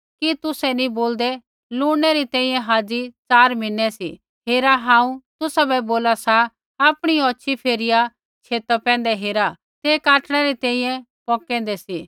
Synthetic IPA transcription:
kit̪ʊsɛnĩboːld̪ɛ | luːɽ̃ɛɾit̪ɛ̃ːĩːjɛ̃ɦaːd͡zit͡saːɾmɪnːɛsḭ | ɦeːɾaɦãːũt̪ʊsabɛboːlasaː | pɽ̃iɔːʃʰipʰeːɾɪja | t͡ʃʰeːt̪əpɛ̃ːn̆d̪ɛɦeːɾa | t̪eːkaːʈɽ̃ɛɾit̪ɛ̃ːĩjɛ̃ | pɔːkɛ̃ːn̆d̪ɛsiː

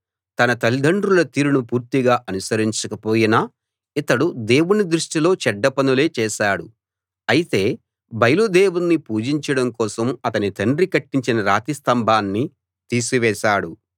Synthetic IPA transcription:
t̪ɐnɐt̪ɐlid̪ʱɐɳɖɾulɐt̪iːɾunupuːɾt̪iɡaːʔɐnusɐɾiɲt͡ʃɐkɐpo̞ːjinaː | it̪ɐɽud̪e̞ːwunid̪ɾuʂʈilo̞ːt͡ʃɛɖːɐpɐnule̞ːt͡ʃɛːʃaːɽu | ɐjit̪e̞ː | bɐjɐlud̪eːwunːipuːd͡ʒiɲt͡ʃɐɽɐŋkɔːsɐmɐt̪ɐnit̪ɐɳɖɾikɐʈːiɲt͡ʃinɐɾaːt̪ist̪ɐmbʱaːnːi | t̪iːsiʋɛːʃaːɽu

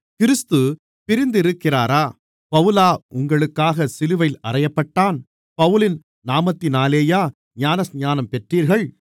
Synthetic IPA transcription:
kɪɾɯst̪ɯ | pɪɾɪnd̪ɪɾɯkːɪraːɾaː | pɐʋɯlaːʔʊŋɡɐɭɯkːaːɣɐsɪlɯʋɐɪlɐrɐjɐpːɐʈːaːn | pɐʋɯlɪn | naːmɐt̪ːɪnaːleːjaː | ɲaːnɐsɲaːnɐmpɛʈriːɾɣɐɭ

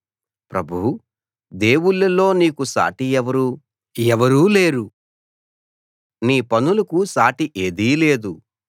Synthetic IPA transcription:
pɾɐbʱuwu | d̪e̞ːwuɭːɐlo̞ːniːkusa̰ːʈiɛʋɐɾu | ɛʋɐɾuːle̞ːɾu | niːpɐnulɐkusaːʈiʔe̞ːd̪iːle̞ːd̪u

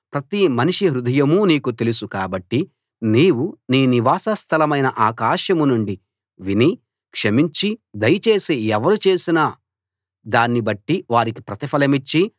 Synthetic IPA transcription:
pɾɐt̪imɐniʂiɦɾud̪ʱɐjɐmuniːkut̪e̞lusukaːbɐʈːi | niːwuniːniʋaːsɐst̪ʰɐlɐmɐjnɐʔaːkaːʃɐmunuɳɖi | ʋini | kʂɐmiɲt͡ʃid̪ɐjɐt͡ʃe̞ːseːɛʋɐɾut͡ʃe̞ːsina | d̪aːnːibɐʈːiʋaːɾiki̥pɾɐt̪ifʰɐlɐmit͡ʃːi

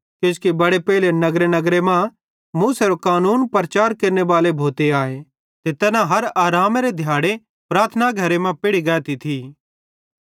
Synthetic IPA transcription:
kjõːskibɐɽepɛːlenɐɡɾenɐɡɾemã | muːseɾokaːnuːnpɾɐt͡ʃaːɾkeɾneʋaːlebʱoːt̪eaːe | t̪et̪ɛːnaɦɐɾaːɾaːmɾed̪ʱjaːɽe | pɾaːɾt̪ʰənaɡʱɐɾemãpɪɽiɡɛːt̪it̪ʰi

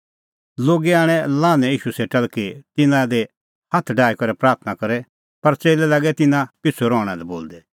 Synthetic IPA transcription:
loːɡiaːɽ̃ɛ̃lãːnɛ̃iːʃuseːʈɐlkit̪ɪnãd̪e | hɐt̪ʰɖaːikɔɾɛpɾaːɾt̪ʰnakɐɾɛ | pɐɾt͡seːlɛlaɡɛt̪ɪnãpɪt͡sʰːuɾɔːɽ̃ɛlɛboːld̪ɛ

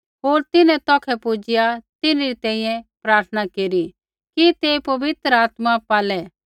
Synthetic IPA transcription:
ɦoːɾt̪ɪnɛ̃t̪ɔːkʰɛpud͡ʒɪjat̪ɪnɾit̪ɛ̃ːĩjɛ̃pɾaːɾt̪ʰənakeːɾi | kit̪eːpɐʋɪt̪ɾaːt̪mapaːlɛ

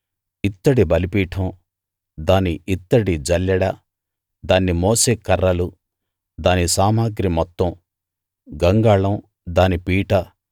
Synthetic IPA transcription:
it̪ːɐɽibɐlipiːʈʰɐm | d̪aːniʔit̪ːɐɽid͡ʒɐljɐɽɐ | d̪aːnːimɔːseːkɐɾːɐlu | d̪aːnisaːmaːɡɾimɔt̪ːɐ̃m | ɡɐŋɡaːɭɐm | d̪aːnipiːʈɐ

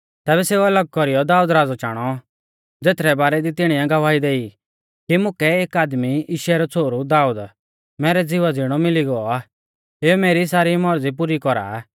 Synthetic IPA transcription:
t̪ɛːbɛseːuɐləɡ̚kɔɾijɔd̪aːuːd̪ɾaːd͡zɔt͡ʃaːɽ̃ɔ | d͡zeːt̪ʰɾɛbaːɾɛd̪it̪ɪɽ̃ijãɡɐʋaːid̪eːi | kimʊ̃kɛeːkaːd̪miɪːʃɛɾɔt͡sʰoːɾud̪aːuːd̪ | mɛːɾɛd͡zɪʋad͡zɪɽ̃ɔmɪliɡɔɔaː | eːumeːɾisaːɾimɔɾd͡zip̬uːɾikɔɾa̰

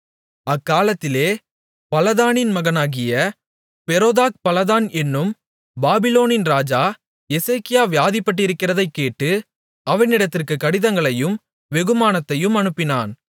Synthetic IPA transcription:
ɐkːaːlɐt̪ːɪleː | pɐlɐðaːnɪnmɐɣɐnaːɣɪjɐ | pɛɾoːðaːk̚pɐlɐðaːnɛnːɯm | baːbɪloːnɪnɾaːd͡ʒaː | ɛsekɪjaːʋɪjaːðɪpːɐʈ̬ːɪɾɯkːɪrɐðɐɪkːeːʈːɯ | ɐʋɐnɪɽɐt̪ːɪrkɯkɐɽɪðɐŋɡɐɭɐjɯm | ʋɛɣɯmaːnɐt̪ːɐjɯmɐnɯpːɪnaːn

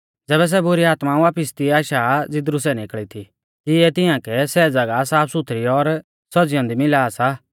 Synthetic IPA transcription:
d͡zɛːβɛs̬ɛbʊɾiaːt̪maʋaːpɪst̪iaːʃad͡zɪd̪ɾusɛnɪkɭit̪ʰi | tɪɛt̪ɪjãkɛsɛd͡zɐɡasaːpʰsʊt̪ʰɾiɔɾ | sɔd͡zɪjɔ̃nd̪imɪlaːsa

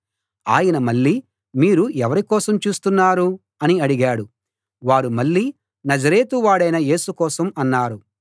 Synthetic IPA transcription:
a̰ːjɐnɐmɐɭːiː | miːɾuɛʋɐɾikɔːsɐmt͡ʃuːst̪unːaːɾu | ɐniɐɽiɡaːɽu | ʋaːɾumɐɭːiː | nɐd͡ʒɐɾe̞ːt̪uʋaːɽɐjnɐje̞ːsukɔːsɐmɐnːaːɾu

